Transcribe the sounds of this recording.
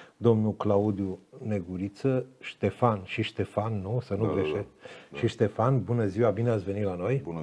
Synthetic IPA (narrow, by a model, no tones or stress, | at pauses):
d̪o̞mnuklaud̪june̞ɡuɾit̪səʃt̪e̞fanʃiʃt̪e̞fanːusənuɡleʃet̪ʃiʃt̪e̞fanbunəziwabineat̪sʲve̞nit̪lano̞j